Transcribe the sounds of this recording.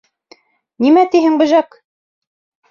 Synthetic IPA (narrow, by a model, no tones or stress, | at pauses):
nimæt̪iɦɘŋbɘ̆ʒæk